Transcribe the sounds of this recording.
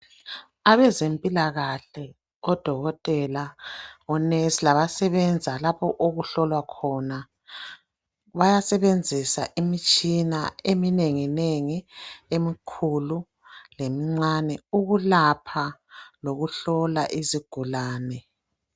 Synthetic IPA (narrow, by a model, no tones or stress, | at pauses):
aβɛzempʼilaɣaɬɛ | ɔd̥ʱɔɣɔtʼɛlaɔneslaβasɛβɛnd͡zʱalapʰɔʔoɣuɬɔlwakʰɔna | βajasɛβend͡zʱisa̰ʔimit͡ʃʼinaemineŋineŋiemikʰulu | lemiŋ͡ǀanɛuɣulapʰaloɣuɬɔla̰ʔiziɡ̥ʱulaːnɛ